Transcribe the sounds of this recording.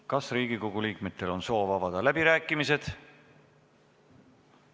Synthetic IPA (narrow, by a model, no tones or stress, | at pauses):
kɑsriːɡ̥iko̞ɡ̥uliːkme̞t̪ːˑe̞lo̞nso̞ːvɑvɑd̪̥ɑlæbiɾæːkːˑimise̞d̪̥